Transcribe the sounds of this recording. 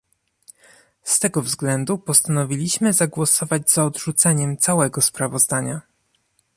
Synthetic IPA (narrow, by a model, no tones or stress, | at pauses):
st̪ɛɡɔvzɡlɛnd̪upɔst̪anɔvʲilʲiɕmɘzaɡwɔsɔvad͡ʑz̥aɔd̪ʐut̪sɛɲɛmt̪sawɛɡɔspɾavɔzd̪aɲa